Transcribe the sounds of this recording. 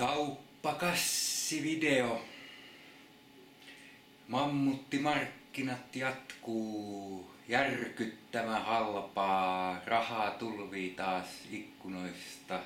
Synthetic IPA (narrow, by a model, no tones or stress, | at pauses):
kɑupːɑkɑsːiʋideo | mɑmːut̪ːimɑrkːinɑt̪jɑt̪kuː | jærkyt̪ːæmæhɑlpɑːrɑhɑːt̪ulʋiːt̪ɑːsikːunoise̥st̪ɑ